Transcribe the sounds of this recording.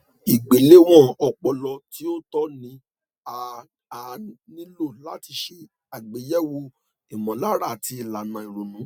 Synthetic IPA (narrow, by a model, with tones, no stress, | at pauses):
i˨ɡ͡be˨le˨˦w̃ɔ̃˦˨ɔ˧k͡pɔ˧lɔ˧ti˦o˦tɔ˦nĩ˧˦ | a˨ | a˨nĩ˦lo˦˨la˨˦ti˧ʃe˧ | a˨ɡ͡be˨˦jɛ˦wo˧˦ | i˨mɔ̃˨la˦ɾa˦˨ti˧˨la˨nã˨i˨ɾo˨nũ˨˦